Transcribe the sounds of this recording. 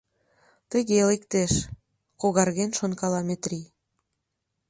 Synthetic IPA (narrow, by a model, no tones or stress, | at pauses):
t̪ə̆ɣelekt̪eʃ | koɣɑrɣenʃonkɑlɑmet̪rʲi